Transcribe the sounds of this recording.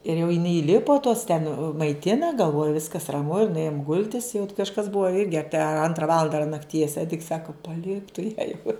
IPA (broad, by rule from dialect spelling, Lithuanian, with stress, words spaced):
ɪr jɛʊ ɪˈnɐɪ iːˈlʲɪpoː toːs tʲɛn mɐɪˈtʲɪnɐ ɡɐlˠˈʋoːjʊ ˈʋʲɪskɐs rɐˈmʊ ɪr nʊˈeːjoːm ˈɡʊlʲtʲɪs jɛʊ kɐʃˈkɐs ˈbʊɐ ˈɪrʲɡʲɪ ˈɑːpʲiɛ ˈɐntrɑː ˈʋɑːlˠɐndɐ ɐr nɐkˈtʲiɛs ˈæːdʲɪks ˈsɑːkɐ pɐˈlʲɪk tʊ jæː jɛʊ